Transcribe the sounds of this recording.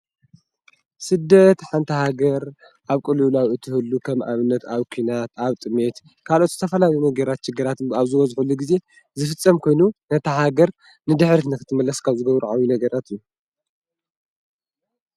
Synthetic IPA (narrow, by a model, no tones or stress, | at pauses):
sɨd̪ːɐt̪ħant̪ʰɐhaɡɐɾ | ʔaβkʼɨlulawɨt̪ʰɨhɨlːukʰɐmʔa̰βɨnːɐt̪aβkʷʰinat̪aβt̪ʼɨme̞t̪ | kʰalʔo̞t̪zɨt̪ʰɐfɐlajjunɐɡɐɾat̪ʃɪɡːɨɾat̪aβzɨwɔzħulːuɡize̞ | zɨfɨt͡sʼːɐmkʰo̞jnunɐt̪ʰɐɦaɡɐɾ | nɨd̪ɨħɾt̪nɨkɨt̪ʰɨmɐlɐskʰaβzɨɡɐβɾuʕawjunɐɡɐɾat̪ɨju